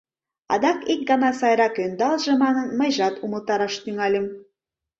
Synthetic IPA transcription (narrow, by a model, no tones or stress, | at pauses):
ɑ̰d̪ɑkek̚ɡɑnɑsɑjɾɑkønd̪ɑlˠʒɤ̆mɑnɤnmɤjʒɑt̪umə̆lˠt̪ɑɾɑʃt̪yŋælʲim